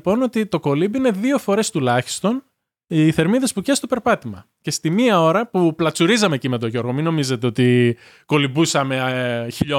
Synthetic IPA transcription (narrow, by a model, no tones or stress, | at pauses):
po̞no̞t̪it̪o̞ko̞libine̞ðio̞fo̞ɾe̞st̪ulɐçi̥st̪o̞n | iθe̞ɾmiðe̞spuce̞st̪o̞pe̞ɾpɐt̪imɐ | ce̞st̪imiɐo̞ɾɐpuplɐt͡suɾizɐmecime̞t̪oʝo̞ɾɣo̞mino̞mize̞t̪eo̞t̪i | ko̞libusɐme̞çiʎo